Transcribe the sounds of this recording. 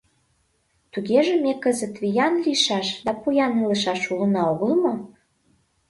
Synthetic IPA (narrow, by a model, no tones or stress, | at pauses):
t̪uɣeʒĕmekəzət̪βijɑnliʃɑʃd̪ɑpujɑnilə̆ʃɑʃulənɑoɣəlmo